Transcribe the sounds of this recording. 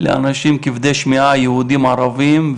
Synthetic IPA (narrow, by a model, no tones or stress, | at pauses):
lḛʔa̰naʃimkivd̪eʃmiʕajehud̪imʕaɾavim